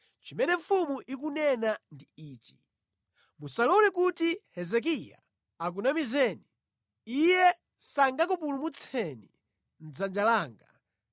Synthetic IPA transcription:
t͡ʃimɛnɛɱfumuʔik̬unɛnandiiːt͡ʃi̥ | musalɔnikutihɛzɛk̬ija̰ | ak̬unamizɛːni | ijɛ | saŋɡakupulumut͡sʰɛni | n̩d͡zand͡ʒalaːŋɡa̰

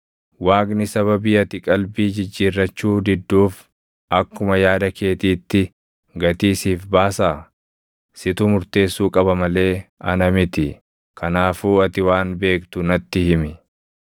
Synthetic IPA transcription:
waːɡnɪsɐβɐbiːɐt̪ɪkʼɐlbiːd͡ʒɪd͡ʒːiːrːɐt͡ʃːuːd̪ɪd̪ːuːf | ɐkːʊmɐjaːd̪ɐke̞ːt̪iːt̪ːɪ | ɡɐt̪iːsiːfbaːsaː | sɪt̪ʊmʊɾt̪e̞ːsːuːkʼɐbɐmɐle̞ːɐ̰nɐmɪt̪ɪ | kʰɐnaːfuːɐt̪ɪwaːnbe̞ːkt̪ʊnɐt̪ːɪhɪmɪ

